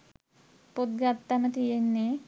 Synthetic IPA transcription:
pod̪̚ɡat̪ːanət̪ijenːe

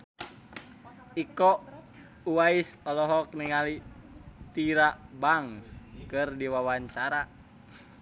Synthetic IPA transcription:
ikɔ | uwaisɔlɔɦɔk̚niŋali | t̪iɾabaŋskɨrdiwawaɲt͡ʃaɾa

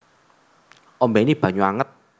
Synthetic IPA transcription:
ʔɔmbɛinib̥ä̤ɲuaŋət̪̚

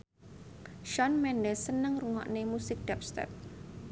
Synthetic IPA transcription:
ʃɔnmɛndɛsənəŋruŋa̰ʔnemusɪk̚d̥ɛp̚st̪ɛ̰p̚

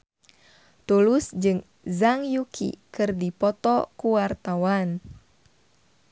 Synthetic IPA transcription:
t̪ulusd͡ʒɨŋ | zaŋjukʰḭkɨrdipɔt̪ɔkuwart̪awan

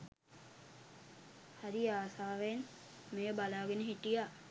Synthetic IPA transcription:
haɾiaːsaːʋen | meːbalaːɡenəɦiʈija

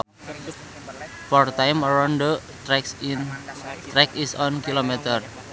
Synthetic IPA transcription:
fɔrt̪ajmɔɾɔndo | t̪ɾɛksint̪ɾɛkisɔnkilomɛt̪ər

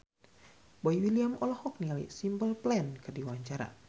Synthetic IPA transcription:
boiwiliamɔlɔhɔk̚nialḭsimpəlplɛnkɨrdiwaɲt͡ʃaɾa̰

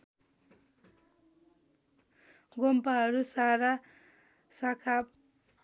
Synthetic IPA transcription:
ɡompaɦʌɾusaɾa | sakʰap

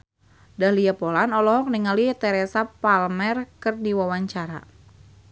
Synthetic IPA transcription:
dahliapɔlanɔlɔɦɔk̚niŋalit̪ɛɾɛsapalmɛrkɨrdiwawaɲt͡ʃaɾa̰

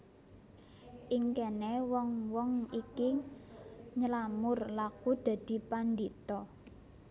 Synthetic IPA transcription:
ʔiŋkɛnɛwɔŋwɔŋikɪ | ɲəlamʊrlakud̪̥ä̤d̪̥i̤pand̪it̪ɔ

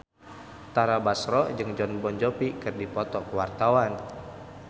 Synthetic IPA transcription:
t̪aɾabasɾɔd͡ʒɨŋd͡ʒɔnbɔnd͡ʒɔpikɨrdipɔt̪ɔkəwart̪awan

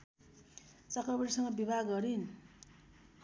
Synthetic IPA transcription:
t͡sʌkrʌbʌɾisʌŋɡʌbibʱaɡɡʌɾin

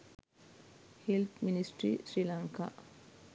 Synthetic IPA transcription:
helt̪ʰminisʈɾḭːsɾilɐŋka̰ː

